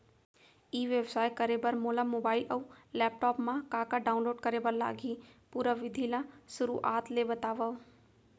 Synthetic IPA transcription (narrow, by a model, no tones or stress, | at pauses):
iːʋebsaːjkɐɾebəɾmoːlamoːbaːɪlʔɐulɛːp̚ʈɔːpmãkaːkaɖaːʊ̃nloːɖkɐɾebəɾla̰ːɡipuːɾaʋɪd̪ʱilasʊɾuʔaːt̪ʰlebət̪aːʋə